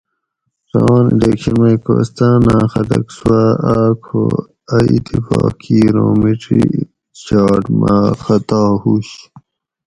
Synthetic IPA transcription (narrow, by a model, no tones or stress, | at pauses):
ɾɐɑːniɖekɕɐnmɐjkoːst̪aːnãːxɐd̪ɐksuwaaːkʰo | ɐit̪ʰifɑːkʰiːɾoːmiʈɾi | ɕɑːʈmaxɐt̪ɑːhuɕ